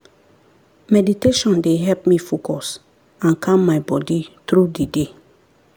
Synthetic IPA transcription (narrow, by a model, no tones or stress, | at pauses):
mɛditeʃɔ̃ndeɦɛlpmifokʰɔs | ãnkʰãmːaɪbɔditɾudide